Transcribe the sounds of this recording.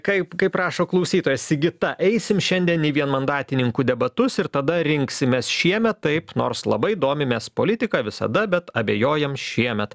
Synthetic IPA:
kɐɪpkɐɪpɾɑːʃoːklˠɐʊsʲiːt̪oːjɛsɪɡʲɪt̪ɐʔɛɪsʲɪmʃʲɛnʲd̪ʲiɛniːʋʲiɛnmɐnd̪ɑːt̪ʲɪnʲɪŋkuːd̪ʲɛbɐt̪ʊsɪɾt̪ɐd̪ɐɾʲɪŋksʲɪmʲeːsʃʲiɛmʲɛt̪ːɐɪpno̰ːɾslˠɐ̰bɐɪd̪oːmʲɪmʲɛspoːlʲɪt̪ʲɪkɑːʋʲɪsɐ̰d̪ɐbʲɛt̪ɐbʲeːjoːjɛmʃʲiɛmʲɛt̪

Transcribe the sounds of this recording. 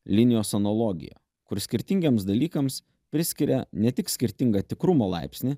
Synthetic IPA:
lʲɪnʲɪjoːsɐnɔlˠɔɡʲɪ̰jo̰ | kʊɾsʲkʲɪɾʲt̪ʲɪŋʲɡʲemsd̪ɐlʲiːkɐms | pʲɾʲɪsʲkʲɪɾʲɛ̰nʲɛt̪ʲɪksʲkʲɪɾʲt̪ʲɪŋɡɐt̪ʲɪkɾʊmoːlˠɑ̰ɪpʲsʲnʲɪ

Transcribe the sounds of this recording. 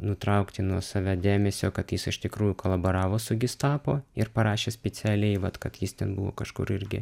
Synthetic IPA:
nʊt̪ɾɐʊkt̪ʲɪnuɔsɑːʋʲæːd̪ʲæːmʲɛsʲoːkɐt̪jɪsɪʃt̪ʲɪkɾuːjʊkolˠɐboːɾɑːʋoːsʊɡʲɪst̪ɑːpoːɪɾpɐɾɑːʃʲeːsʲpʲɛt͡s̪ʲæːlʲɛɪʋɐt̪kɐt̪jɪst̪ʲɛnbʊʋo̰ːkɐʃkʊ̰ɾɪɾʲɡʲɪ̰

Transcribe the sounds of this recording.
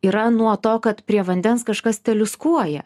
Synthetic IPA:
iːɾɐnuɔt̪oːkɐt̪pʲɾʲiɛʋɐnʲd̪ʲɛnskɐʃkɐst̪ʲɛlʲʊskuɔjɛ

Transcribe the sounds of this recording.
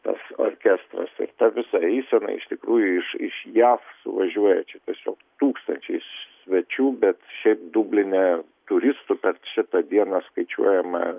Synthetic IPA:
t̪ɐ̰so̰rʲkʲæst̪ɾɐ̰sɪ̰ɾt̪ɐʋʲɪsɐiɪsʲɛnɐ̰ɪɪʃt̪ʲɪkɾuːjʊɪʃɪ̰ʃjæːfsʊ̰ʋɐʒʲuɔjɛt͡ʃʲɛt̪ʲiɛsʲo̰ːkt̪uːkst̪ɐnʲt͡ʃʲɛɪʃsʲʋʲɛt͡ʃʲuːbʲɛt̪ʃʲɛɪp̚d̪ubʲlʲɪnʲɛ | t̪ʊɾʲɪst̪ʊpʲɛrʃʲɪt̪ɐd̪ʲiɛnɐskɐɪt͡ʃʲṵɔjɛmɐ̰

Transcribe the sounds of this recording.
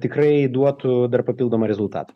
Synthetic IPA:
t̪ʲɪkrɐɪd̪uɔt̪ʊd̪ɐrpɐpʲilˠd̪oːmɐɾʲɛzʊlˠt̪ɑ̰ːt̪ɐ̥

